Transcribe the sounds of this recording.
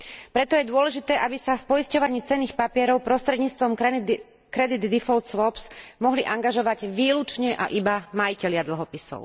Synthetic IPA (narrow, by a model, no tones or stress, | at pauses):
pɾɛt̪ɔjɛd̪ʊɔlɛʒit̪ɛːʔabisafpɔiscɔʋaɲiːt͡sɛnːiːxpapɪɛɾɔʊpɾɔst̪ɾɛd̪ɲiːt͡st̪ʋɔm | kɾɛd̪id̪ːifɔlt̪sʋɔpsmɔɦliʔaŋɡaʒɔʋaɟʋiːlut͡ʃɲɛʔa̰ʔibamajicɛʎɪad̪l̩ɦɔpisɔ̰ʊ